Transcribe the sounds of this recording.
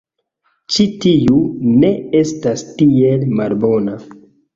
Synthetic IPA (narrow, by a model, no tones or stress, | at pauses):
t͡ʃitiune̞e̞stastie̞lmalbo̞na